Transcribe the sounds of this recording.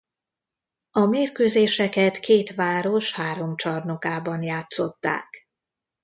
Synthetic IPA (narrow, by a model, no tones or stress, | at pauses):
ɒmeːrkøːzeːʃɛkɛt̪keːt̪ʋaːɾo̞ʃhaːɾo̞mt͡ʃɒrnokaːbɒnjaːt̪so̞t̪ːa̰ːk